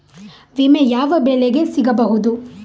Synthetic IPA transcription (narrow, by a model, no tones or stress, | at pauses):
ʋimejaːʋɐbeːleɡesiɡɐbɐɦud̪u